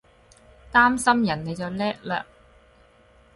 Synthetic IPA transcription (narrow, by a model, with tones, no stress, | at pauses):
t̪aː˥msɐ˥mjɐ˨˩nne˨˧jt͡sɐ˨˩wlɛː˥k̚la̰ː˧